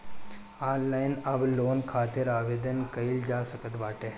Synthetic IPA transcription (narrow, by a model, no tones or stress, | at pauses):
aːnlaːɪnɐbloːnkʰaːt̪ɪɾaːʋeːd̪ənkɐɪld͡ʒaːsəkət̪baːʈeː